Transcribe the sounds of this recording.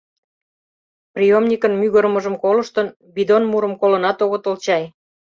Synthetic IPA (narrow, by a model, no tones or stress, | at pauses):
prʲijomnʲikənmyɣəɾmə̆ʒəmkolɤ̆ʃt̪ən | bid̪onmuɾə̆mkolɤ̆nɑt̪oɣot̪olt͡ɕɑj